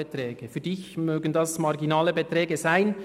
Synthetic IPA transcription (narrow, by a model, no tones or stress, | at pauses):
etrɛːɡ̥əfyːd̥ɪçmøːɡən̩dɑsmɑʁɡinɑːləbetɾɛːɡəzaɪn